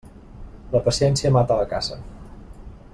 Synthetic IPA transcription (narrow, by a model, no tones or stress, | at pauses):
ləpəsiɛnsiəmat̪ələka̰z̥ə